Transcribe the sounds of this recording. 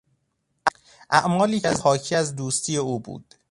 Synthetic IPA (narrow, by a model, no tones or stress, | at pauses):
ʔæʔmɒːliːæzhɒːcʰiæzd̪uːst̪ʰiːjeuːbṵːd̪̥